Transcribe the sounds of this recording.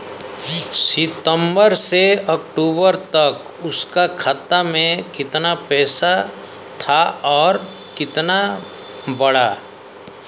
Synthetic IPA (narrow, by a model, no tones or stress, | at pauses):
sɪt̪ə̃mbəɾseɔkʈuːbəɾt̪ɐk | ʊskakʰat̪amẽkɪt̪napɛːsa | t̪ʰaɔːɾ | kɪt̪na | bəɽaː